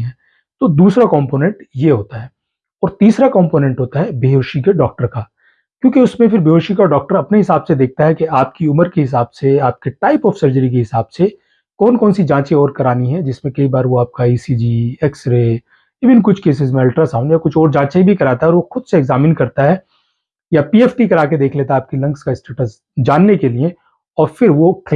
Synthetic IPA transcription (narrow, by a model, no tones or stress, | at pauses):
ɦɛ̃ː | t̪oːd̪uːsɾakɔ̃ːmpoːnɛ̃ɳʈjeɦoːt̪aɦɛː | ɔːɾt̪iːsɾakɔ̃ːmpoːnɛ̃ɳʈɦoːt̪aɦɛbeɦoːʃikeɖɔːk̚ʈəɾkaː | kjõːkeʊsmẽfɪɾbeɦoːʃikaɖɔːk̚ʈəɾɐpneɦɪsaːbsed̪eːk̚ʰt̪aɦɛkeaːp̚kiʊməɾkeɦɪs̬aːbseaːp̚keʈaːɪpɔːfsɐɾd͡ʒəɾikeɦɪsaːbse | kɔːnkɔːnsid͡ʒãːt͡ʃeɔːɾkɐɾaːniɦɛd͡ʒɪsmẽkɐibaːɾʋoaːp̚kaiːsiːd͡ʒiɛːksɾe | ɪːʋɪnkʊt͡ʃʰkeːs̬ɪzmẽɐlʈɾasaːʊ̃njakʊt͡ʃʰɔːɾd͡ʒãːt͡ʃaibʱikɐɾaːt̪aɦɛɔːɾʋoxʊd̪seɛɡzaːmɪnkɐɾt̪aɦɛ | japiːeːfʈikɐɾaːked̪eːkʰleːt̪aɦɛaːp̚kilɐ̃ŋɡskaɪsʈeːʈəs | d͡ʒaːnːekeliẽ | ɔːɾfɪɾʋok